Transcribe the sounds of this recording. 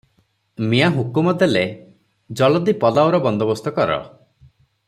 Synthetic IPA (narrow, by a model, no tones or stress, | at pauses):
miaɦukumɔd̪ele | d͡ʒɔlɔd̪ipɔlawɾɔbɔnd̪ɔbɔst̪ɔkɔɾɔ̰